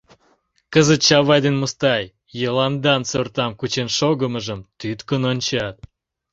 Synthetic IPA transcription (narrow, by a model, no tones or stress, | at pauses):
kəzət̪̚t͡ɕɑβɑjd̪enmost̪ɑj | jelɑnd̪ɑnt͡sørt̪ɑmkut͡ɕenʃoɡəməʒəmt̪yt̪kənonʲt͡ɕɑt̪̚